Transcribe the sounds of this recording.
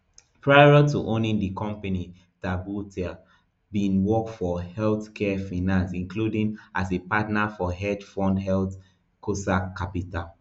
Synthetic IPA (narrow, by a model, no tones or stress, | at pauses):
pʰɹaɪatʰuʔõnĩŋdikʰɔ̃mpani | tabutʰia | bĩnwɔkfɔhɛlθkʰɛfanãnsĩnkludĩŋasepatnafɔɦɛdfɔ̃ndɦɛlθ | kʰosakːapital